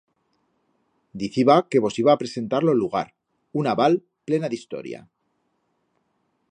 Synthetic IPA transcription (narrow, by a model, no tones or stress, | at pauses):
d̪iθiβake̞β̞o̞siβaːpɾe̞se̞nt̪aɾlo̞elːuɣ̞aɾ | unaβal | ple̞naðist̪o̞̰ɾja̰